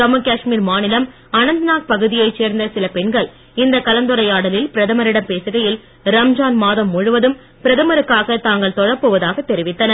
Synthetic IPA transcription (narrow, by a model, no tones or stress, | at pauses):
kɐmɯkaːʂmiːɾmaːnɪlɐm | ɐnɐnd̪ɯnaːk̚pɐɣɯðɪjɐɪt͡ʃeːɾnd̪ɐsɪlɐpɛɳɡɐɭ | ɪnd̪ɐkɐlɐnd̪ɯɾɐjaːɽɐlɪlpɪɾɐðɐmɐɾɪɽɐmpeːsɯɣɐjɪl | ɾɐmd͡ʒaːnmaːðɐmːʊɻɯʋɐðɯm | pɪɾɐðɐmɐɾɯkːaːɣɐt̪aːŋɡɐɭt̪ɔɻɐpːoːʋɐðaːɣɐt̪ːɛɾɪʋɪt̪ːɐnɐ